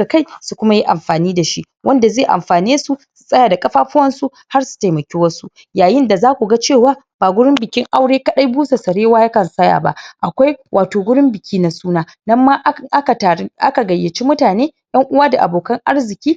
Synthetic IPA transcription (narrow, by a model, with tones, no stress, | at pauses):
a˨ka˦jsu˨kʷʊ˦ma˦ji˦ʔa̰˨mɸaː˨niː˦da˨ʃi˦ | wʔɐ˦nda˨zeː˦˨ʔa̰˨mɸaː˨niː˦su˨su̥˨sʼɐ˦jaː˨da˨kʼɐ˦ɸaː˦ɸʊ˦wɐ˦nsu˦ | ha˦rsu̥˨ta˨jmɐ˨kʲeː˦wɐ˦su˦ | jaː˨jɪ˦nda˨zaː˦kʷu˨ɡa˦t͡ʃeː˦˨waː˦ | b̥aː˨ɡʷʊ˦ɽɪ˦mbɪ˨kʲɪ˦ŋʔa˦wɽeː˦kɐ˦ɗa˦jbuː˦se˨sɐ˨ɽeː˦waː˦ja˦kɐ˨nsɐ˦ja̰ː˨ba̰˦ʔa˨kʷa˦jwʔaː˨toː˨ɡʷʊ˦ɽɪ˦mbɪ˨kʲʰiː˦na˦suː˦naː˦ | nɐ˦mːa˦ʔa˦kʔa˦ka˨ɡɐ˨jːɐ˨t͡ʃi˦mʊ˦taː˨neː˦ | jɐ˦ŋʔʊ˦waː˦da˨ʔa̰˨boː˨kɐ˦ŋʔa˦ɽzɪ˨kʲiː˦